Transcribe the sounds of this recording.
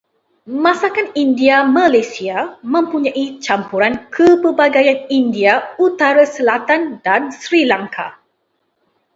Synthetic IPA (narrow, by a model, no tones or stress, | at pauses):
mãsakanindiamãlasiamə̃mpuɲãʔit͡ʃampuɾankʰəpəbaɡajanindiaut̪aɾasəlat̪andansɾilaŋkʰa̰